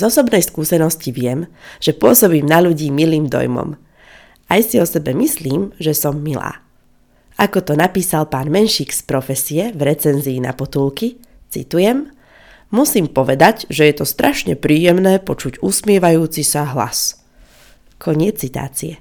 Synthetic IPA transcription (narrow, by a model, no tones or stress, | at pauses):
zɔsɔbnɛjskuːsɛnɔsciʋɪɛmʒ̥ɛpʊɔsɔbiːmnaʎuɟiːmiliːmd̪ɔ̰jmɔ̰m | ajsiɔsɛbɛmisliːmʒɛsɔmːila̰ː | akɔt̪ɔnapiːsalpaːnmɛnʃiːkspɾɔfɛsiɛvɾɛt͡sɛnziːna̰pɔt̪uːlˠki | t͡sḭt̪ujɛmː | usiːmpɔʋɛd̪aɟʒɛjɛt̪ɔst̪ɾʔaʃɲɛ̰pɾiːjɛmnɛːpɔt͡ʃuɟusmɪɛʋajuːt͡sisaɦla̰s | kʰɔɲɪɛt͡st͡sːit̪a̰ːt͡siɛ